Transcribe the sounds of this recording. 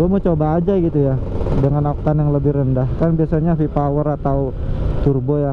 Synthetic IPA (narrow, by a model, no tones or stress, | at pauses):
uamot͡ʃobaːd͡ʒaɡit̪ujadəŋanak̚t̪anjaŋləbɪhrəndahkanbiasaɲafipawəɾat̪aw | t̪urboja